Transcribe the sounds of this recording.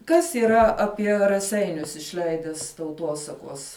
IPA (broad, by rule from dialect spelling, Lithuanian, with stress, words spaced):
kɐs iːˈrɐ ɐˈpʲiɛ rɐˈsʲɛɪnʲʊs ɪʃʲˈlʲɛɪdʲɛs tɐʊˈtuɔsɐkuɔs